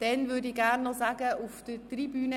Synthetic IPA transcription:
d̥ɛnvʏdiːɡæɾnːɔzaːɡəʔufd̥ətribyːnə

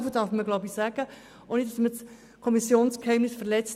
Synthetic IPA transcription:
fəd̥ɑɾfməɡlɔʊbisæɡ̥ə | ʔoːnitdɑsmət͡s | kʰɔmisjoːnskhɛɪmnɪsfəɾlɛt͡st

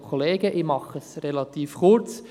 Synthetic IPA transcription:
kʰoleːɡəʔɪmɑχəsrelɑt̪iːfkʊɾt͡s

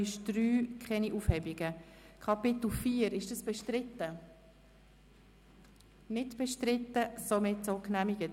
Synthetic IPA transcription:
ɪʃd̥ɾyːkʰχɛniʔuːfhɛbiɡ̥ə | kʰɑpɪt̪l̩fiːəɾɪʃd̥əsb̥ɛʃtɾɪtːə | nɪdb̥ɛʃtɾɪtːəsomɪtsoknæmiɡ̥ət

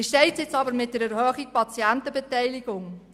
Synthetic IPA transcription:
ɪʃtɛɪt͡sɪt͡sɑbəɾmɪt̚d̥əɾɛɾhœːχik̚pɑt͡siæntəbətɛjlɪɡ̥ʊŋ

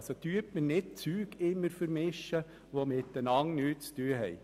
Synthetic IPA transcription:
sot̪yəɾtmənɪd̚t͡syːɡ̥ɪmːəɾfəɾmɪʃːə | ʋomɪtdənɑŋnyːt̚t͡styːəɦɛɪ

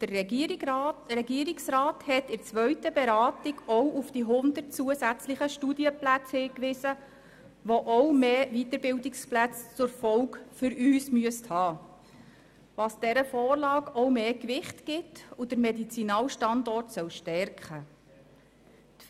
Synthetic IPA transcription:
d̥ər | rɛɡiəɾiksɾɑːthɛtɪɾt͡sʋœɥtəbɛɾɑːtɪɡɔwʔufd̥iɦʊndərt̚t͡suəsæt͡slɪχəʃtudiəplæt͡shɪːkʋɪsə | ʋoʔɔwmeːvitəɾbɪldɪksplæt͡st͡sʊɾfɔwkfʏɾyːsmyəsthɑː | ʋɑsd̥ɛɾəfɔːrlɑːɡɔwmeːkʋɪχtɡ̥ɪtud̥əɾmɛdit͡sinɑːlʃtɑndɔrtsœwʃtɛɾkχə | t

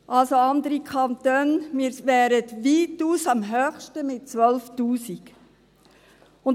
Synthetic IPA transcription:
ʔɑlsoɑnd̪əɾikʰɑnt̪øːnmiːɾʋɛːɾətʋiːtuːsɑmɦœːxʃtəmɪt̚t͡sʋœlftuːsik | ʊn

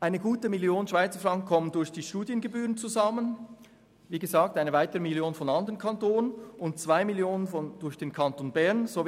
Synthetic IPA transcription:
ʔaɪnəɡuːtəmiljoːnənʃv̥aɪt͡səɐfʁɑŋkn̩kʰɔməndʊɐçd̥iːʃtuːdjənɡəbyːʁənt͡suzamən | viːɡəzaːk̚taɪnəvaɪtəʁəmiljoːnfɔnɑndəʁənkʰɑntoːnənʊntt͡sv̥aɪmiljoːnənfɔnd̥ʊɐçd̥eːnkʰɑntoːnbɛɐnzo

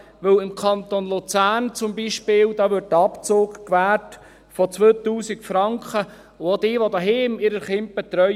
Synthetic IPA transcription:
ʋɵwɪmkʰɑnt̪onlʊt͡sæːnt͡sʊmbiʃpɪːld̥̪ɑːʋʏt̚tɑpt͡soːkkʋæːt | fɔt͡sʋøːt̪uːsikfɾɑŋkχə | ʊod̪ɪːʋodɑɦeːmɪɾəχɪnt̚b̥ɛt̪ɾœ

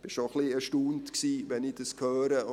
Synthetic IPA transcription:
b̥ɪʃoχliɛʃtuːntksiːʋɛnɪd̥əskʰœːɾə

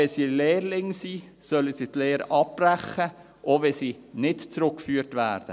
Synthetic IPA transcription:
ɛsiːleːɾlɪŋsiː | sœləsiːtleːɾʔɑp̚ːræχə | ʔoʋɛsiː | nɪtt͡sɾʊkfyːɾtʋæːɾd̥ə̰

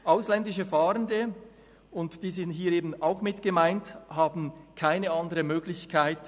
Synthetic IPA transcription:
ʔaʊslɛndɪʃəfaːʁəndə | ʊntd̥iːzɪnthɦiːeːbn̩aʊxmɪtɡ̥əmaɪnthaːbn̩kʰaɪnəɑndəʁəmøːɡlɪçkʰaɪt

